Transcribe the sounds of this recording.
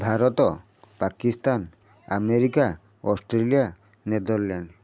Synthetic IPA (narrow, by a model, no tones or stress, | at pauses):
bʱaɾɔt̪ɔ | pakist̪an | ameɾika | ɔsʈɾelia | ned̪ɔɾlan